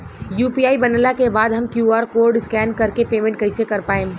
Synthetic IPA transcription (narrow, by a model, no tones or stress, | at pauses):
juːpiaːibɐnlakebaːd̪ɦɐmkjuːaːɾkoːɾɖskɛːnkɐɾkepeːmẽɳʈ̚kɐɪsekɐɾpaːẽː